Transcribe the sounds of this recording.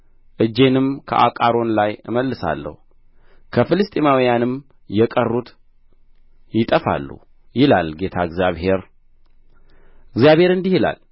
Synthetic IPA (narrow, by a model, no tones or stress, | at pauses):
ʔɨd͡ʒːe̞nɨmkʰə̰ʔakʼaɾo̞nlajɨməlːɨsa̰lːə̰hu | kʰəfɨlɨst̪ʼimawijanɨm | jɛkʼərːut̪ | jɪt̪ʼəfa̰lːṵ | jɪla̰lɡe̞t̪ʰaɨɡzjaβhe̞ɾ | ɨɡzjaβhe̞ɾɨnd̪ihila̰l